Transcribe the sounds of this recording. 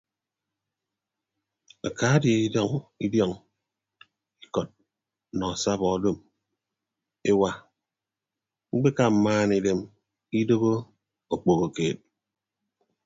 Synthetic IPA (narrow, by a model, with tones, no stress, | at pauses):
a˨ka˨˦dje˨i˦dɔ˦ŋi˦djɔ˦˨ŋ | i˦kɔ˨t̚ | nɔ˨a˨sa˦bɔ˨˦do˦˨m | e˦wa˦ | ŋ͡m̩˦k͡pe˦ka˨m̩˨maː˦ni˨de˨m | i˦do˦ɣo˦ | o˨k͡po˨ɣo˨keː˨t̚